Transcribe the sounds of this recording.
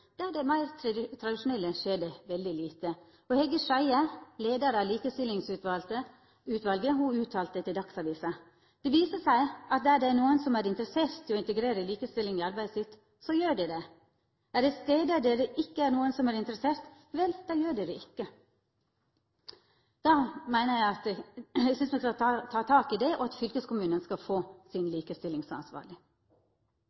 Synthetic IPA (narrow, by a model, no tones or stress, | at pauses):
d̪̥æːɖɛmæɪɾt̪ʰɾɑd̪ɪʃʊnɛlːəʃeːdɛʋɛld̪ɪliːt̪ə | ɔhɛɡəʂæɪəleːd̪ɑɾɑʋliːkəst̪ɪlːɪŋsʉt̪ʋɑlt̪ə | ʉːt̪ʋɑlɡəhʊʉːt̪ʰɑːlt̪ət̪ʰɪld̪ɑksɑʋiːsɑ | d̪̥ɛʋiːsəsæɪɑt̪̚d̪æɖɛænuːənsɔmæːɾɪnt̪əɾəseːɾt̪ʰːɪɔɪnt̪əɡɾeːɾəliːkəst̪ɪlːɪŋɪɑɾbæɪd̪sɪt̪ | sɔjøːɖɛd̪ɛ | æɖɛt̪st̪eːd̪əæɖ̪eːɾəʔɪkːəæɾnuːənsɔmæɾɪnt̪əɾəseːɾt̪ | ʋɛld̪̥ɑjøːɖeːɾəɪkːə | d̪̥ɑːmæɪnəjæɪɑt̪æɡsʏnsmɛskɑɑt̪ʰɑːt̪ʰɑːkɪd̪ɛʔɔɑt̪fʏlkəskʰʊmʉːnənskɑlfoːsɪnliːkəst̪ɪlɪŋsɔɑ̰nsʋɑ̰ːɾɭɪ